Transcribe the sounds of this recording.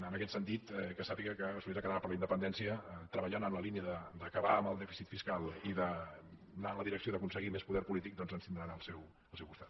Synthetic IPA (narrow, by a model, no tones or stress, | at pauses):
ənəkɛt̪sənt̪it̪kəsapiɣəkəsuliɾakəðɾapəɾləinəpənd̪ɛnsiət̪ɾəβəʎanəmləliniəðəd̪əkəβaəməlˠd̪ɛfi̥sit̪fiskalˠiðə | naənləðiɾəksioðəkunsəɣimespuðɛɾpulit̪ik̚d̪ɔnzənst̪ind̪ɾanəlˠsɛw | əlˠsɛwkust̪at̪